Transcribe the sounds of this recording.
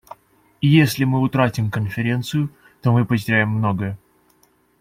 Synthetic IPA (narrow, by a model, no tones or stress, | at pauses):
ijesʲlʲɪmɨʊt̪ɾatʲɪmkənfʲɪɾʲe̞nt̪sɨjʊ | t̪o̞mɨpətʲɪɾʲæjɪmːno̞ɡəjə